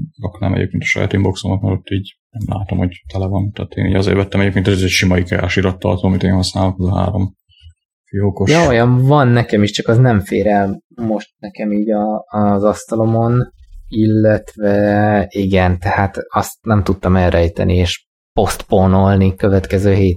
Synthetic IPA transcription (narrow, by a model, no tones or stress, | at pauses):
ɒknɛ̰mɛ̰ɟḛːp̚keːnt̪ɒ̥ʃɒ̰ja̰ːt̪imbo̞ksomɒt̪mɛɾot̪ːiːɟ | nɛmla̰ːt̪omhoɟt̪ɛlɛvɒnt̪ɛːt̪ḛːniːɟɒzḛːɾvɛt̪ːɛmɛɟeːp̚kent̪ɛzɛzɛcʃimɒikɛɾa̰ʃiɾɒt̪ːɒ̰rt̪oːmit̪eːnhɒsnaːlokɛzɒɦa̰ːɾo̞m | fijokojɒojɒɱvɒnːɛkɛmiʃt͡ʃɒkɒznɛɱfḛːɾɛ | mo̞ʃt̪̚nɛkɛmiːɟɒːzɒst̪ɒlo̞mo̞nilːɛt̪vɛiɡɛnt̪ɛhaːt̪ɒst̪nɛmt̪ut̪ːɒmɛlɾɛjt̪ɛ̰nieːʃ | po̞st̪pono̞lnikøvɛt̪kɛzøːɦeːt̪